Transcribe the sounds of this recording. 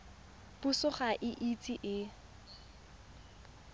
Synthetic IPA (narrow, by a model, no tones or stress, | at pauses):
pusʊχaʔɪʔit͡sʼiʔɪ